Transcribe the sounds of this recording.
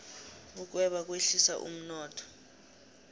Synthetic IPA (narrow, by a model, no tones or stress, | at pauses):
kuk̬wɛɓak̬ʼweɬisa̰ʔṵm̩nɔːtʰʼɔ̥